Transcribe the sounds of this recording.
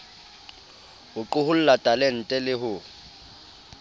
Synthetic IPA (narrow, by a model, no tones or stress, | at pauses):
hʊǃʊhʊl̩latʼalɛn̩tʼɛlɪɦʊ